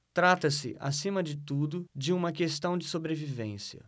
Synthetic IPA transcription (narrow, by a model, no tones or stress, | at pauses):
t̪ɾat̪ɐsɪ̰ʔa̰sĩmɐd͡ʒɪt̪ud̪ʊd͡ʒɪũmɐkest̪ɐ̃w̃d͡ʒɪsobɾevivẽsjɐ̰